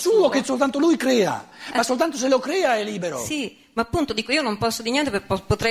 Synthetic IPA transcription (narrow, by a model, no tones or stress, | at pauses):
suːokesolt̪ant̪olujkɾɛːa̰masːolt̪ant̪os̬elokɾɛːaɛlːiːbeɾosi | maːpːunt̪od̪iːkoiːonompɔsːod̪iɲjɛnt̪epeppːot̪ɾɛ